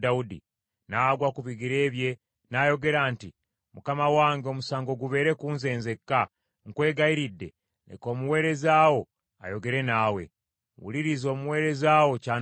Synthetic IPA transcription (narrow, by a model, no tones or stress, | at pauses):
daudḭ | naɡwakuβiɡiɾe̞ːβje̞ | naːjo̞ɡe̞ɾaːnti | mukamawaːŋɡeo̞musaːŋɡo̞ɡuβe̞ːɾe̞kuːnze̞ːnze̞kːa | ŋkwe̞ːɡaiɾidːe̞̰ | nḛko̞ːmuwe̞ːɾe̞zaːwo̞ | a̰jo̞ɡe̞ɾe̞naːwe̞̰ | wṵliɾizo̞ːmuwe̞ːɾe̞zawo̞ca